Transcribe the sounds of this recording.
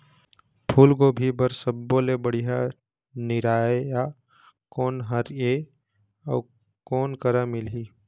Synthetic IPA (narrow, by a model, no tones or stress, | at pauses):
pʰuːlkoːbʱibəɾsəbːolebəɽ̤ija | nɪɾaːeja | kɔːnɦəɾe | ɔ̰ː | kɔːnkəɾamɪlɦi